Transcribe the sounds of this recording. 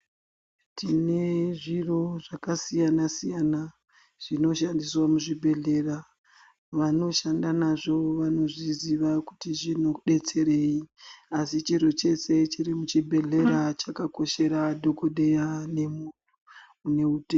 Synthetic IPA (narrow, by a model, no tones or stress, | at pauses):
tʰine̞ʐiro̞ʐakasijanasijana | ʐ̥ino̞ʃandiswamuʐibʱe̞ɮe̞ra | ʋano̞ʃandanaʐo̞ʋano̞ʐiziʋakutiʐino̞ɗe̞t͡se̞ɾe̞iasit͡ʃiɾot͡ʃe̞se̞t͡ʃirimut͡ʃibʱe̞ɮe̞ɾat͡ʃakako̞ʃe̞ɾadʱo̞koɗejane̞mutu̥ | une̞ute